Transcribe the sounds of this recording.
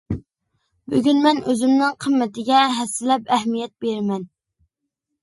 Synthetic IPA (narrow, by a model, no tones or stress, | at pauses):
byɡʲynmɛnøzɪmnɪŋqʰəmːɛt̪ɪɡʲɛɦɛsːɪlɛp̚ɛɦmijɛt̪̚beɾɪmɛn